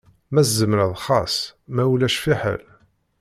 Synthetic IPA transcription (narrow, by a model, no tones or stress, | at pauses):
mæszəmɾəðˤχɑsˤmæwlæʃfiħə̰l